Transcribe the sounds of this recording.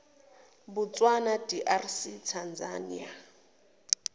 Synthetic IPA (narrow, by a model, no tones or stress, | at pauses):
but͡sʼwanadiʔarsitʰand͡zanḭa